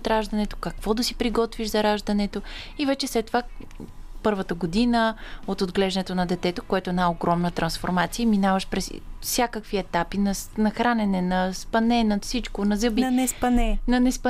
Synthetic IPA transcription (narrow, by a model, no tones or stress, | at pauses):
t̪ɾaʒd̪ɐnɛt̪o̥kɐkvɔd̪ɐsi̥pɾiɡɔt̪viʃzɐɾaʒd̪ɐnɛt̪o | ivɛt͡ʃɛslɛt̪ːova | pɤɾvət̪əɡod̪inəot̪od̪ɡlɛʒɛnɛt̪onɐd̪ɛt̪ɛt̪okoɛt̪oɛnaoɡɾɔmnət̪ɾɐnsfoɾmat̪siəminavəʃpɾɛssʲakəkviɛt̪apinɐsnɐxɾanɛnɛnɐspɐnɛnɐfsit͡ʃkonɐzəbinɛspɐnɛnɐnɛspə